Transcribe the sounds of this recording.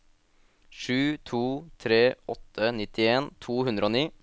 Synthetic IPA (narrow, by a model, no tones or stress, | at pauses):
ʂʉːt̪ʰuːt̪ʰɾeːʔɔt̪ʰːənɪt̪ɪeːnt̪ʰuːhʉnd̪ɾəoːniː